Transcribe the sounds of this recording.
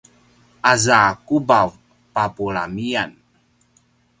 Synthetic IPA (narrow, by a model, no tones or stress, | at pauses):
azakubav | papuɭa̰mian